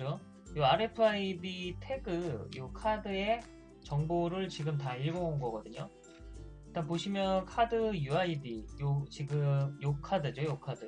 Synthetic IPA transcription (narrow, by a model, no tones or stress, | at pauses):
d͡ʑo | joaɾe̞pʰɯaibitʰe̞ɡɯjokʰadɯe̞ | t͡ɕʌŋboɾɯɭt͡ɕiɡɯmtaiɭbounɡʌɡʌdɯɲo | iɭt͈anpoɕʰimjʌnkʰadɯjuaidijot͡ɕiɡɯmjokʰadɯd͡ʑojokʰadɯ